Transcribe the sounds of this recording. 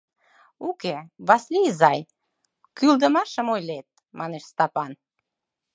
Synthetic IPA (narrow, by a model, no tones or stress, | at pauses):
ukeβɑslizɑj | kyld̪ə̆mɑʃə̆mojlet̪̚ | mɑneʃst̪ɑpɑn